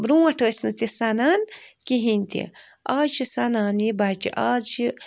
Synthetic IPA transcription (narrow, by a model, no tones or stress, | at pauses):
bɾũɐʈʰəːsnɨt̪isanaːnkiɦinʲt̪ḭ | aːt͡ʃisanaːnibat͡ʃḭʔaːt͡ʃi